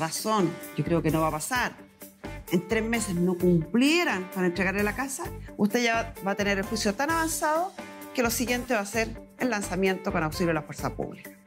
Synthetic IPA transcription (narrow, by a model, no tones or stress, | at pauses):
raso̞nɟ͡ʝokɾe̞oke̞noβapasaɾ | ent̪ɾezme̞se̞zno̞kumpljeɾanpaɾaent̪ɾeɣaɾlelakasaust̪eʝabat̪e̞neɾelxwisjot̪anaβansaðo | ke̞lo̞siɣje̞nt̪eβaseɾ | elːansamje̞nt̪okonawsiljolafwe̞ɾsapṵβlikḁ